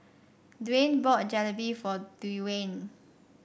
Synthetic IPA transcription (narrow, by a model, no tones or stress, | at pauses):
dwẽnbɔt̚d͡ʒɛləbifɔdiwẽn